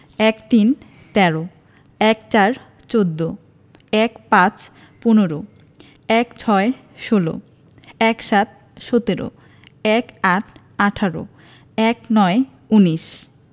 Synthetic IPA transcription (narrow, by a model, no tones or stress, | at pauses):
ɛkt̪in | t̪ɛɾo | ɛkt͡ɕaɾ | t͡ɕod̪ːo | ɛkpãt͡ɕ | punoɾo | ɛkt͡ɕʰɔe | ʃolo̰ | ɛkʃat̪̚ | ʃot̪eɾo̰ | ɛkaʈʰ | aʈʰaɾo̰ | ɛknɔe | uniʃ